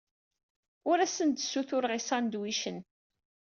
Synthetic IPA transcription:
ʊɾæsənd̪sːuθʊɾʁisɑnd̪wiʃən

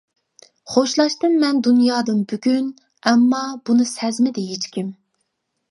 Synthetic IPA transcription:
χoʃlˠɑʃt̪ɨnmɛnd̪unjɑːd̪ɨnbyɡʲyn | ɛmːɑbunɨsɛzmɪd̪ɛɦet͡ʃkʲʰim

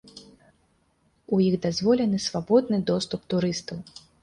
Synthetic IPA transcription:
ujiɣd̪azvɔlʲɛnɨsvabɔd̪̚nɨd̪ɔst̪upt̪uɾɨst̪ɐw

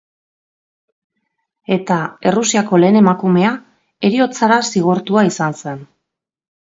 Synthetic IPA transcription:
e̞t̪ae̞rusiako̞le̞ːne̞makume̞a | e̞ɾio̞t͡saɾasiɣ̞oɾt̪uaisanse̞n

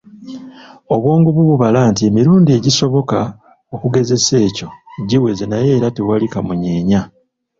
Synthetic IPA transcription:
o̞βwo̞ːŋɡuβuβuβalaːntie̞miɾuːndie̞ɟiso̞βo̞ka | o̞kuɡe̞ze̞se̞ːco̞ɟiwe̞zenaje̞ːɾatewalikamuɲe̞ːɲa

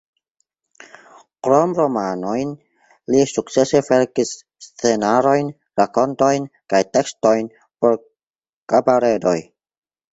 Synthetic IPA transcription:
kɾo̞mɾo̞mano̞jn | lisuk̚t͡se̞se̞fe̞ɾkisː | t͡se̞naɾo̞jn | ɾako̞nto̞jnkajte̞ksto̞jn | po̞ɾ | kabaɾe̞do̞j

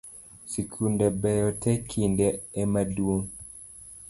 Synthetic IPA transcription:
sikʰundɛbɛjɔtɛkʰindɛːmaduo

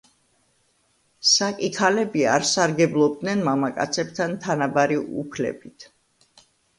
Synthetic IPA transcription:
sakʼikʰalɛbia̰ɾsaɾɡɛblˠɔbd̪nɛnmamakʼa̰t̪sʰɛbt̪ʰant̪ʰanabaɾiṵpʰlɛ̰bit̪ʰ

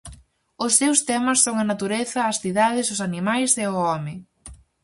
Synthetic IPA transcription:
ʊsːewst̪ɛmɐsːoŋɐnat̪uɾeθɐːsθiðað̞ɪsʊsanimajseʊɔmɪ

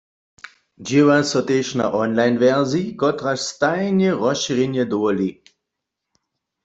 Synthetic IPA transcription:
d͡ʒiʋasɔt̪eːʃna̰ʔɔnlajnʋɛʁzikɔt̪ʁaʃst̪ajnjɛʁɔʃiʁenjɛd̪ɔɔli

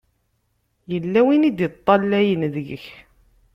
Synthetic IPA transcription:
jəlːæwinid̪jət̪ˤːɑlːæjənðəɡəç

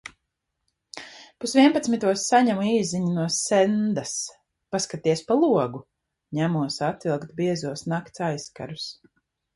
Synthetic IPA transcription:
pusvʲiɛnpat̪smit̪uɔsːaɲamuiːziɲunuɔsɛnd̪as | paskat̪iɛspalˠuɔɡu | ɲæmuɔsat̪ilˠkt̪biɛzuɔsnakt̪sajska̰ɾus

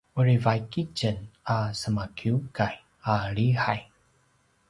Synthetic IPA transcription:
uɾivajkit͡ʃənasəmakʰiukaj | aɾihaj

